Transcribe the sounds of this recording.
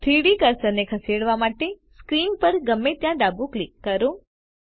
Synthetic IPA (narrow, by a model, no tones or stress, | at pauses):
t̪ʰiɽikəɾsəɾnekʰəseɽʋamaʈeskɾimpəɾɡəmːet̪jãd̪abũklikːəɾõ